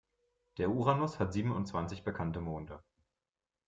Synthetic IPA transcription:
d̥eːɐʔuːʁanʊshatz̥iːbm̩ʊntt͡sv̥ant͡sɪçb̥əkʰantəmoːndə

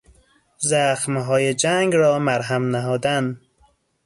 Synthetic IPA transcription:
zæxmɦɒːjed͡ʒæŋɡɾɒːmæɾɦæmnæɦɒːd̪æn

